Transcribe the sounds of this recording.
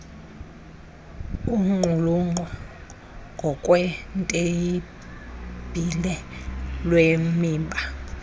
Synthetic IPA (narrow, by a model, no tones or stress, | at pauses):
uŋ͡ǃʱuluŋ͡ǃʱɔ | ŋɡʱɔkʼwɛntʼeji | b̥ʱilɛlwemiːmbʱa